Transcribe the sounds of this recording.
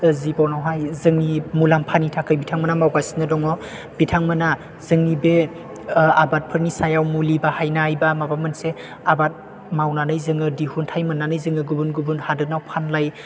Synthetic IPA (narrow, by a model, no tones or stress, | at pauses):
zibɔwnawɦajzɯŋnimulampʰanitʰakʰɯjbitʰaŋmanamawɡasinɯdɔŋɔ | b̥itʰaŋmɯna | z̥ɯŋnibe | abat̚pʰɯɾnisajawmulibahajnaːjbamabamɯnse | abat̚ | mawnanɯjzɯŋɯdihuntʰajmɯnːanɯjzɯŋɯɡubunɡubunhadɯnawpʰanlaj